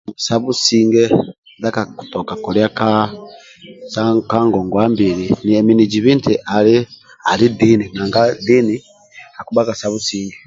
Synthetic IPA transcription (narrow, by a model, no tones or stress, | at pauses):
saβusiːŋɡe | dakaku̥tokakoɾjaka | sakaŋɡoŋɡwaːmbiɾinieminid͡ʒiβiːntiʔali | alidininaːŋɡadini | akuβakasaβusiːŋɡe